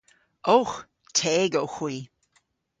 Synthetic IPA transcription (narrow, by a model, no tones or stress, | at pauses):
ox | tʰeːɡowxwiː